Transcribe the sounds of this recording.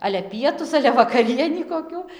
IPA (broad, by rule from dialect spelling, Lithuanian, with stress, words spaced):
ˈɑːlʲɛ ˈpʲiɛtʊs ˈɑːlʲɛ ʋɐkɐˈrʲiɛnʲiː koːˈkʲuː